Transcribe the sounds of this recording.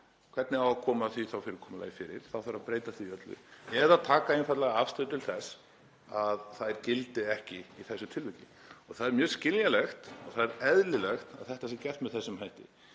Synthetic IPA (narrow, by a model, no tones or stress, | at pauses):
kʰv̥ɛt̪nɪawakʰɔːmaθviθawfɪɾɪɾkʰɔːmala̰ːjfɪːɾɪ̰ɾ̥θawθaɾaðpɾeːjt̪aθiœt̪lʏ̰ɛðaðt̪ʰaːkaejnfat̪laɣaafst̪ːðt̪ʰɪlθɛs | aðθaðɾcɪlt̪ɪɛhcɪiθɛsːʏt̪ʰɪlvɪclɪ | ɔ̰ɣθaðɛɾmjœːscɪnjalɛxt̪ɔ̰ɣθaðɛɾɛðlɪlɛxt̪a̰ðθɛht̪asɪcɛl̥t̪mɛðθɛsːʏmhajht̪ɪ̰